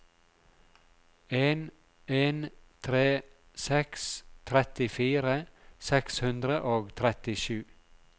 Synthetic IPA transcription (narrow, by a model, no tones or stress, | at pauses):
eːn | eːnt̪ʰɾeː | sɛkst̪ʰɾɛt̪ɪfiːɾəsɛkshʉnd̪ɾəʔoːɡt̪ʰɾɛt̪ɪʃʉː